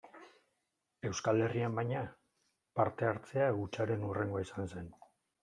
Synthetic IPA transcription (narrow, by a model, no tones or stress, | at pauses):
e̞wskale̞riambajɲa | paɾt̪e̞aɾt͡se̞aɣut͡ʃaɾe̞nure̞ŋɡoaisanse̞n